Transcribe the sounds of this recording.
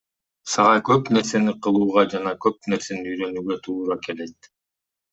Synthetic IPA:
sɑʁɑjkø̞pne̞ɾse̞niqʰɯlˠuːʁɑd͡ʒɑnɑkø̞p̚ne̞ɾse̞niyjɾø̞nyɡøt̪ʰuːɾɑke̞le̞t̪

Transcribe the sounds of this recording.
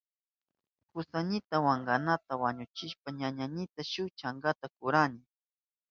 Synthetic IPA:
kʊsaɲɪt̪awaŋɡanat̪awaɲʊt͡ʃɪʃpaɲaɲaɲɪt̪aʃʊt͡ʃaŋɡat̪akʊɾanɪ

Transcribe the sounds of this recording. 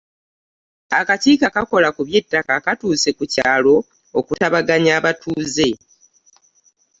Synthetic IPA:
a̰kaciːkakako̞lakuβje̞tːakakatuːse̞kucaːlo̞ | okutaβaɡaɲaːβatʰuːze̞

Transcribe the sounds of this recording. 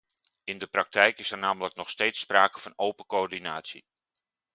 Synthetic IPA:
ɪndəprɑk̚tɛjkɪsɛrnaːmələknɔχstejtspraːkəv̥ɑnowpəkoɔɹdinaːtsḭ

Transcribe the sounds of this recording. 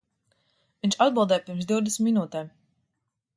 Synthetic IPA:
vinʲt͡ʃad̪̚bɨlˠd̪ɛːjpiɾmsd̪iwd̪ɛsmːinuːt̪ɛːm

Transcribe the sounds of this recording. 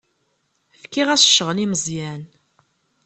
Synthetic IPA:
fkːiʁæsə̥ʃːəʁliməzˤjæn

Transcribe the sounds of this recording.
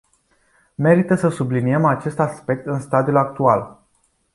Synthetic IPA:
me̞ɾit̪əsəsubliniemat͡ʃe̞st̪aspe̞k̚t̪ɨnst̪ad̪iulak̚t̪ual

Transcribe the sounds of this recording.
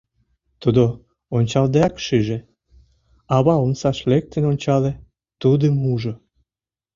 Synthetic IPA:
t̪ud̪o | onʲt͡ɕɑld̪eɑkʃyʒe | ɑβɑomsɑʃlek̚t̪enonʲt͡ɕɑle | t̪ud̪əmuʒo

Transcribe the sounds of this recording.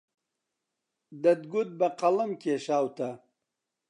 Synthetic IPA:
d̪ɐd̪ɡud̪̚bɐqɐlɐmkʲeːɕaːwt̪ɐ

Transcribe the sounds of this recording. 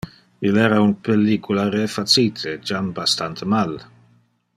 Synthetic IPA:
ilɛːɾaunpelːikʰulaɾefat͡siːt̪ʰed͡ʒambast̪ant̪ʰəmal

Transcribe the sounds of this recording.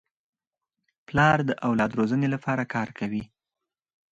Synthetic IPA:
plɑɾd̪əʔawlɑd̪ɾozənelapʰɑɾakɑɾkʰawi

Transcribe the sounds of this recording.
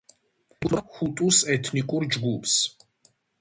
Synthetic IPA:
kʼlaxut̪ʼusɛt̪ʰnikʼuɾd͡ʒɡupʰs

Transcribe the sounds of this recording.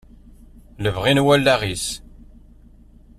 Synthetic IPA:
ləvʁinwælːæʁis

